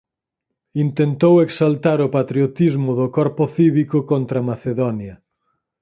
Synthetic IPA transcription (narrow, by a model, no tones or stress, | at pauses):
int̪ent̪oweksalt̪aɾʊpat̪ɾijot̪izmʊðʊkɔɾpʊθiβikʊkont̪ɾɐmaθeðɔnjɐ